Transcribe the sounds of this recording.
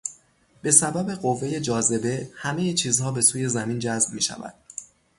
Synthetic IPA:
b̥e̞sæbæbeɢo̞vːe̞je̞d͡ʒɒːze̞be̞hæme̞jet͡ʃʰiːzhɒːbe̞suːje̞zæmiːnd͡ʒæzb̚miːʃæ̰væ̰d̪̥

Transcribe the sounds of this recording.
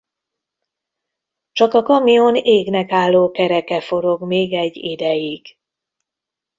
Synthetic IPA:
t͡ʃɒkɒkɒmijoneːɡnɛkaːlːoːkɛɾɛkɛfo̞ɾo̞ɡmeːɡɛɟːid̪ɛjiɡ̥

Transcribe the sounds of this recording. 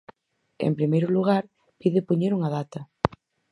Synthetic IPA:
ḛmpɾimejɾʊluɣ̞aɾ | piðepoɲeɾuŋɐðat̪ɐ

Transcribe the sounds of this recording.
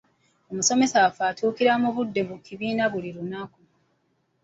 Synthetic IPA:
o̞muso̞me̞safaːtʰuːkiɾamuβudːe̞βukiβiːnaβuliɾunaku

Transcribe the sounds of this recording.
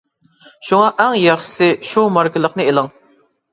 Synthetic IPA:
ʃuŋɑʔɛŋjɑχʃɪ̥sɪʃumɑɾkʰʲɪlˠəqnɨelˠɨŋ

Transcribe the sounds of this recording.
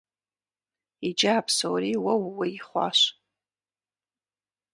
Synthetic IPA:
id͡ʒaːpʰsowɾiwawwaiχʷa̰ʃʷ

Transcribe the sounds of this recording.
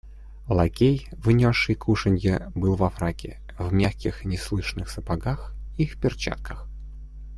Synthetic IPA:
lˠɐkʲejvnʲoʂːɨjkʰuʂənʲjəbɨlˠvɐfɾakʲɪ̰ | vmʲaxkʲɪxnʲɪslˠɨʂnɨxsəpɐɡaxifpʲɪrt͡ɕa̰t̪̚kʰəx

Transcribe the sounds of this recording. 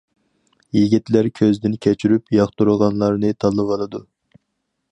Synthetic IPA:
jiɡʲit̪læɾkʲʰøzd̪ɪnkʲʰɛt͡ʃʰyɾypjɑχt̪uɾəʁɑnlˠɑɾnɨt̪ʰɑlˠːɨvɑlˠɨd̪u

